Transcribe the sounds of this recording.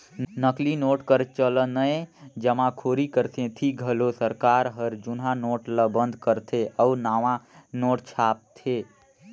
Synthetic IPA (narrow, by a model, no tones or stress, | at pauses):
nəklinoːʈkəɾt͡ʃələnəed͡ʒəmãkʰoːɾikəɾt̪ʰẽt̪ʰiɡʱəlosəɾkaːɾɦəɾd͡ʒunɦãnoːʈləbə̃nd̪ʱkəɾt̪ʰeʔəunaːʋãnoːʈt͡ʃʰaːp̚t̪ʰeː